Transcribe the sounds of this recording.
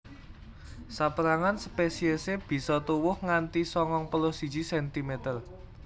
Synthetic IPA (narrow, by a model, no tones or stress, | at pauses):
sapəɾaŋanspesieseb̥i̤sɔt̪uwʊhŋant̪isɔŋɔŋpəlʊsi̥d͡ʒ̥isɛnt̪imet̪ər